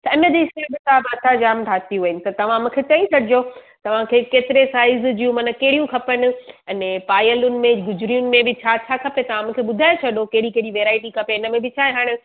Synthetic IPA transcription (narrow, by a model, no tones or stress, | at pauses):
t̪ɐɪnəd͡ʑisebɪt̪abɪɐt̪ʰad͡ʑaːmʈʰaːt̪iɦuːɪnɪ̆t̪ɐt̪ɐʋ̤ãmũːkʰet͡ɕɐ̃ĩt͡ɕʰɐɽɪd͡ʑo | t̪ɐʋ̤ãkʰeːkeːt̪ɪɾesaːɪzd͡ʑijũmɐnəkɐɦɪɽijũkʰɐpənɪ̆ɐnẽpaːjəlʊnɪ̆mẽɡʊd͡ʑʊɾijʊnɪ̆mẽbɪt͡ɕʰaːt͡ɕʰaːkʰɐpet̪ɐʋ̤ãmũːkʰeɓʊd̪ʱaːet͡ɕʰɐɗokɐɦɪɽikɐɦɪɽiʋeːɾaːɪʈikʰɐpeɪnəmẽbɪt͡ɕʰaːeɦaːɽ̃ɪ